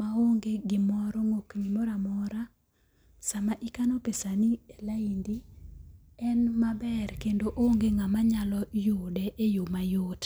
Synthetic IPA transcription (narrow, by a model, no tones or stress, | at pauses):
maoŋɡeɡɪmɔɾɔŋokɲimɔɾamɔɾa | samaʔikanɔpesanielaindi | ɛnmabɛrkendoʔoŋɡeŋamaɲalɔjodɛʔejomajot